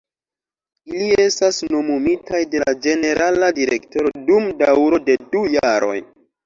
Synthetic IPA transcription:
ilie̞stasno̞mumitajde̞lad͡ʒe̞ne̞ɾʔaladiɾe̞ktoɾo̞dumdawɾo̞de̞dujaɾo̞̰j

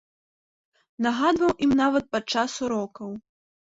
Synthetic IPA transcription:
naɣad̪vɐwʔimnavɐt̪̚pat͡ʂasuɾɔkɐw

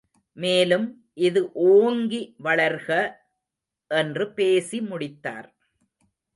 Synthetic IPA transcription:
meːlɯm | ʔɪðɯʔoːŋɡiʋɐɭɐɾɣɐ | ʔɛndrɯpeːsimʊɽɪt̪ːa̰ːɾ

